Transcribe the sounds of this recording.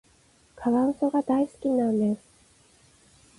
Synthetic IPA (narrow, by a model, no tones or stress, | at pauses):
kʰaβãɰ̃so̞ɡad̪aisɨ̥kʲinãnd̪e̞sɨ̥